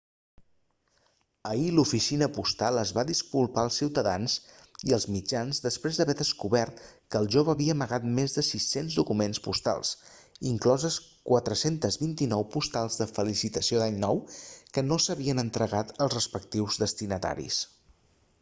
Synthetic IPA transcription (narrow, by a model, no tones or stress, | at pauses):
əilufisinəpust̪alˠəzβaðiskulˠpaəlˠsiwt̪əðanziəlˠzmid͡ʒanzðəspɾezðəβɛðəskuβɛɾt̪kəːlˠʒoβəːβiəːməɣat̪mezðəsisenzðukumenspust̪a̰lˠs | iŋklɔzəskwat̪ɾəsent̪əzβint̪inɔwpust̪alˠzðəfəlisit̪əsiod̪aɲnɔwkənosəβiənənt̪ɾəɣat̪əlˠzrəspək̚t̪iwzðəst̪inət̪a̰ɾḭs